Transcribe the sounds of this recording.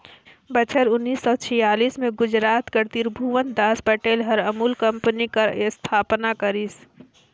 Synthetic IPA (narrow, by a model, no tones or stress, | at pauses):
bət͡ʃʰəɾʊnːiːsːɔːt͡ʃʰijaːliːsmẽɡʊd͡ʒɾaːt̪kəɾt̪iːɾbʱuʋə̃nt̪̚d̪aːspəʈeːlɦəɾəmuːlkɐ̃mpənikaɾst̪ʰaːpnakəɾis